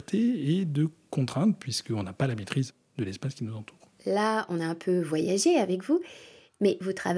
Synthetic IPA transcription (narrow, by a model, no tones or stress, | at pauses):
ʁt̪ʰeed̪əkɔ̃t̪χɛ̃t̪pɥiskəɔ̃napalamet̪χiz | d̪əlɛspaskʲinuzɑ̃t̪ʰu̥ːʁ | laɔ̃naɛ̃pʰøvwajaʒeavɛkvu | mɛvut̪χav